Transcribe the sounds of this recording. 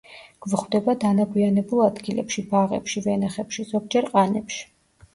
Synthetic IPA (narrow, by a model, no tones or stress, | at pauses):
ɡ̥vχwd̪ɛbad̪anaɡwianɛbulˠad̪ɡilɛ̰pʃibaʁɛ̰pʃivɛnaχɛpʃizɔk̚d͡ʒɛɾqʼanɛpʃi̥